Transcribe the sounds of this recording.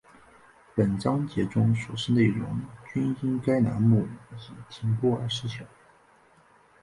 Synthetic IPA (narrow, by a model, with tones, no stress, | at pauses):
pə˨˩nʈ͡ʂɑ˥ŋt͡ɕjɛ˧˥ʈ͡ʂʊ˥ŋʂu˨˩ʂɻ̩˥˧ne˥˩ɪɻʊ̰˧˥ŋt͡ɕy˥ni˥nka˥ɪna̰˧˥nmu˥˩t͡ɕi˨˩t̪ʰi˧˥ŋpɔ˥˩ə̰˞˧˥ʂɻ̩˥ɕʰjɑ˨˩˦